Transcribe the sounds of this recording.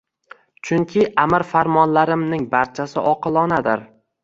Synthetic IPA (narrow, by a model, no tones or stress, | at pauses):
t͡ʃʰʊŋkʲʰɪʔamɪɾfaɾmɒnlaɾɪmnɪŋbaɾt͡ʃʰasɪ̰ʔɒqɨlˠɒnad̪ɪ̰ɾ